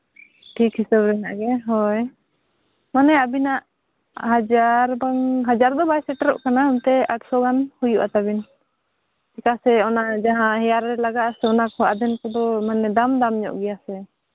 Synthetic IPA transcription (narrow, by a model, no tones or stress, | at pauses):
ʈʰikɦisəbɾɛna̰ʔɡɛɦɔj | manɛabinaʔ | ɦad͡ʒaɾbaŋɦad͡ʒaɾd̪ɔbajsɛʈaɾɔ̰ʔkanaumt̪ɛaʈsɔɡanhujuʔat̪abin | t͡ʃɛkasɛɔnad͡ʒaɦãɦɛjaɾːɛlaɡasɛɔnakɔʔad̪ɛnkɔd̪ɔmanɛd̪amd̪amɲɔ̰ʔɡɛjasɛ